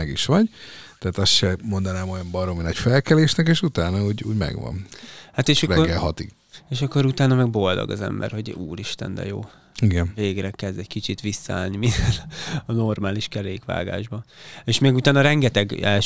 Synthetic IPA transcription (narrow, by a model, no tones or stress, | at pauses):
ɛɡiʃʋɒɟt̪ɛaːt̪ɒsʃɛmo̞nd̪ɒnaːmo̞jɒmbɒɾominɒcfɛlkɛleːʃnɛkeːʃut̪aːnɒuːɟṵːɟmɛ̰ɡʋɒ̰nhat̪eːʃɒɛɡɛlɦɒt̪iɡ̥ | eːʃɒkːo̞ɾut̪aːnɒmɛɡbo̞ld̪o̰ɡɒ̰zɛ̰mbɛ̰rho̞ɟuːɾiʃt̪ɛ̰nd̪ɛ̰jo̰ː | iɡɛnveːɡrɛkɛzd̪ɛɟkit͡ʃit̪ʋisːɒaːlniminɛlɒno̞rmaːliʃkɛɾeːkʋa̰ːɡa̰ːʒbɒeːʃmeːɡut̪aːnɒɾɛŋɡɛt̪ɛɡɛl